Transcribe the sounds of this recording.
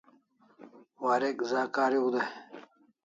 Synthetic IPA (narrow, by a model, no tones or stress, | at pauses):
waːɾekzaːkaːɾiud̪ɐ